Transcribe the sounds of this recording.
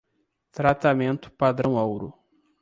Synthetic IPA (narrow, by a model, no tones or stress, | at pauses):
t̪ɾat̪amẽnt̪ʊ̥pad̪ɾɐ̃w̃awɾʊ̰